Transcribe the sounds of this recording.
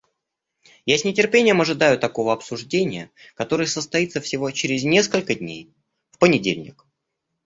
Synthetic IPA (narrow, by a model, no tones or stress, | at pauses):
jasʲnʲɪtʲɪrpʲenʲɪjəmɐʐɨd̪ajʊt̪ɐko̞vəɐpsʊʐdʲenʲɪjə | kɐt̪o̞ɾɨjəsəst̪ɐit̪səfsʲɪvo̞t͡ɕeɾʲɪzʲnʲe̞skəlʲkədʲnʲḛj | fpənʲɪdʲḛlʲnʲɪ̰k